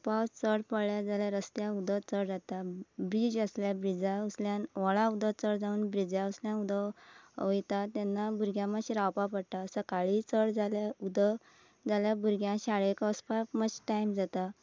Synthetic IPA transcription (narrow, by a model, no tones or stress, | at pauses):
pawt͡səɽpəɽɭjad͡zaljaɾəst̪jãud̪ət͡səɽd͡zat̪abɾid͡ʑəsljabɾid͡zausljãnʋɔɭaud̪ʱət͡səɽd͡zauːnbɾid͡zausljãnud̪əəjt̪at̪anːabuɾɡjãmaɕiɾawpapəɽʈ̪asəkaɭit͡səɽd͡zaljaud̪ə | d͡zaljabuɾɡjãɕaɭekəspaməd͡ʑʈajmd͡zat̪a